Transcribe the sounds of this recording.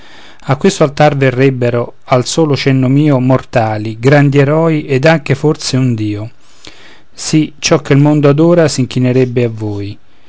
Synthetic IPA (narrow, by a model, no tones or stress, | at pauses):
akːwest̪oalt̪arverːɛbːeɾo | alsoːlot͡ʃɛnːomiːomort̪aːliɡɾand̪ieɾɔːiʔɛd̪aŋk̟efort̪seund̪iːo | sit͡ʃɔkʰːelmond̪oad̪ɔːɾasiŋk̟ineɾɛbːeavːoːj